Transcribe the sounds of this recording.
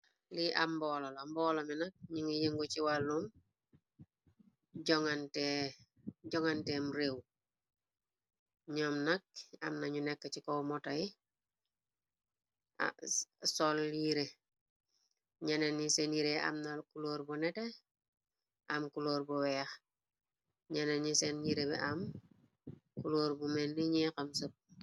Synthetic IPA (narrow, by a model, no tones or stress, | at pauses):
liʔambɔlolambɔːlominak̚ɲiŋijeŋɡot͡ʃiwalːum | ɟoŋante | ɟɔŋantemuɾew | ɲɔmnak̚a̰mnaɲunɛkːat͡ʃikowmɔtaji | sɔliɾe | ɲanenisenjiɾea̰mnakuloːɾbɔnɛte | ʔamkuloːɾbɔwɛːx | ɲanenɲisenjiɾebɛ̰ʔam | kuloːɾbumenːiɲɛkamsəp̚